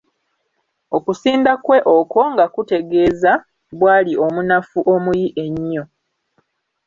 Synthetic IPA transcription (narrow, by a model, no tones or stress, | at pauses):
okusiːndakwe̞ʔoko̞ŋɡakute̞ɡe̞ːza | βwaːliʔo̞munafuʔo̞mujiʔe̞ɲːo